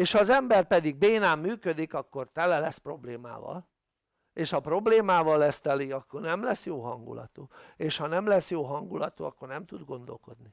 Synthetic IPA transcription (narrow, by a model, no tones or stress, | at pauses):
eːʃhɒːzɛmbɛrpɛd̪iɡ̚beːnaːmːyːkød̪ikɒkːo̞rt̪ɛlɛlɛspro̞bleːma̰ːvɒ̰l | eːʃhɒpro̞bleːmaːvɒlːɛst̪ɛliɒkːo̞rnɛmlɛsjoːɦɒŋɡṵlɒ̰t̪ueːʃhɒnɛmlɛsjoːɦɒŋɡulɒt̪ṵɒkːo̞rnɛmt̪ud̪ɡo̞nd̪o̞̰lko̞d̪ni